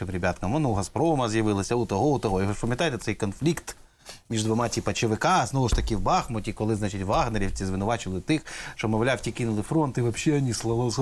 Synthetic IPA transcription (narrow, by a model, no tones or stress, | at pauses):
ɪmɾʲebʲat̪kɐmɔnuɦɐspɾɔmɐzjɐʋɪlˠɐsʲɐut̪ɔɦɔut̪ɔɦɔjɔʃpɐmjɐt̪ɑjt̪ɛtsɛjkɔnflʲikt̪ | mʲiʒd̪ʋɔmɑt͡sʲipɐt͡ʃɪʋɪkɑznɔʋʊʃt̪ɐkɪwbɑxmʊtʲikɔlˠɪznɑt͡ʃɪtʲʋɑɦneɾʲiwt͡sʲizʋɪnʊʋɑt͡ʃɪlˠɪt̪ɪxʃt͡ʃɔmɔʋlʲawtʲikinʊlˠɪfɾɔnt̪ɪʋɐpʃːɛɐnʲislˠɐlˠɔs